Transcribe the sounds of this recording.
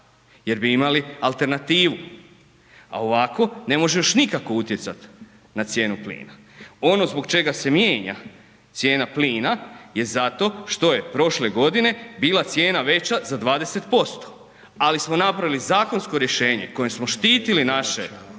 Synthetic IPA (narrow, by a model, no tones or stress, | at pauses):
je̞ɾbiimalialˠt̪e̞ɾnat̪iːʋu | a̰o̞ʋako̞ne̞mo̞ʒejoʃnikako̞ut̪je̞t̪sat̪ | nat̪sje̞ːnuplḭːna | o̞no̞zbo̞ɡt͡ʃe̞ɡase̞mjeːɲa̰ | t̪sje̞ːnapliːnaje̞zat̪o̞ʃt̪o̞je̞pɾo̞ʃle̞ɡo̞d̪ine̞biːlˠat̪sje̞ːnaʋe̞t͡ɕazad̪ʋaːd̪eset̪po̞st̪o̥ | alismo̞napɾaʋilizaːko̞nsko̞ɾje̞ʃe̞ːɲe̞̰ko̞jesmo̞ʃt̪iːt̪ilinaʃe